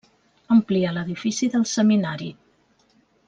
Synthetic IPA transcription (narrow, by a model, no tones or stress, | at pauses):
əmplialəðifisiðəlˠsəminaɾi